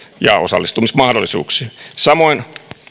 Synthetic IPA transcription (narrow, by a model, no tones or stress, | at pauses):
jɑ̰o̰sɑ̰lːist̪umismɑhdolːˑisṵːksi̥ːsɑmoin